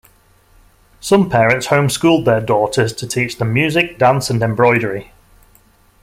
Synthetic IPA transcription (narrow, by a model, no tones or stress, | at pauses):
sʌ̃mpʰɛːɹə̃ntshõʊ̃mskuːlˠd̪̚ðədɔˑtʰəz̥tʰətʰiˑt͡ʃðə̃mjʉːzɪk̚d̥ãnsə̃nɛ̃mbɹɔɪɾəɹɪ